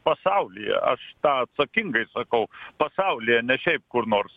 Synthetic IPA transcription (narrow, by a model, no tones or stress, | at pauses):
pɐsɑʊlʲɪjɛ̰ʔɐ̰ʃt̪ɑːɐt̪sɐkʲɪŋɡɐɪsɐkɐʊpɐsɑʊlʲɪjɛnʲɛʃʲɛɪp̚kʊrnoːrs